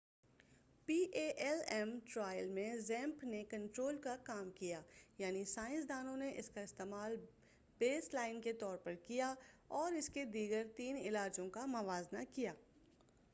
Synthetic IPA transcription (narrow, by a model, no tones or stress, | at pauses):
piːʔeːʔɛlɛmʈɾaːɪəlmẽzɛ̃ːmpnekɐ̃ɳʈɾoːlkakaːmkijaːjaːnisaːɪ̃ns̬d̪aːnõneʔɪskaɪst̪eːmaːl | beːslaːɪnket̪ɔːɾpɐɾkijaɔːɾɪsked̪iːɡəɾt̪iːnɪlaːd͡ʒõkamɐʋaːznakijaː